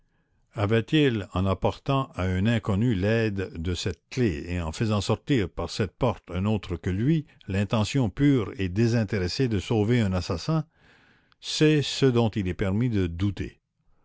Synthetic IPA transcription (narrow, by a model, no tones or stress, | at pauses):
avɛt̪ilɑ̰̃napɔʁt̪ɑ̃aɛ̃nɛ̃kɔnylɛd̪ːəsɛt̪̚kleeɑ̃fəzɑ̃sɔʁt̪iːʁpaʁsɛt̪̚pɔʁt̪ɛ̃noːt̪ʁəkəlɥi | lɛ̃t̪ɑ̃sjɔ̃pyːʁed̪ezɛ̃t̪eʁesed̪əsoːveɛ̃nasasɛ̃ | sɛsəd̪ɔ̃t̪ilɛpɛʁmid̪əd̪ut̪ḛ